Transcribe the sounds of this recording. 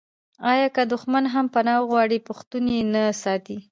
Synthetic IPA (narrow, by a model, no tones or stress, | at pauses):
ɑjɑkəd̪ʊxmanɦampanɑwɣwɑɽipʊxt̪unjenasɑt̪i